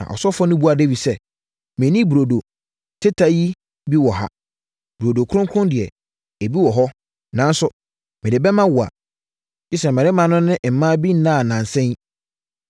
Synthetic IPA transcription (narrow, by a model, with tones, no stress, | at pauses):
nã̰˨ʔɔ̰˨sɔ˦fɔ˦nʊ̃˦bu˦a˨de˦wi˨sɛ˦ | mɛ̃˨nĩ˦bu˨ɾo˨do˨ | tʰɪ˦tʰa˨˦ji˦ | bi˦wɔ˨ɦa̰˦ | b̥u˨ɾo˨do˨kʰʊ˦ʊ̃˦ŋkʰʊ̃˦ndɪ˨ɛ˨ | e˨bi˦wɔ˨ɦɔ˦ | nã˨n˦sʊ˨ | mɪ̃˨dɪ˨bɛ˦mã˦wʊ˨a̰˨ | d͡ʑi˦sɛ˨m˨mɛ̃˨ɾɪ˦mã˨nʊ̃˦nɪ̃˦ʔm̩˨mã˦bi˦n̩˦nã˦˨nã˨n˨sɛ̃˦n˦